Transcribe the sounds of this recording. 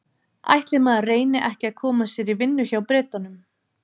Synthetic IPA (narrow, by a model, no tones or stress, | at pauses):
a̰jht̪lɪmaːðareːjnɪʔɛhcɪaðkʰɔːmasɛɾivɪnːʏçawpɾɛːt̪anʏm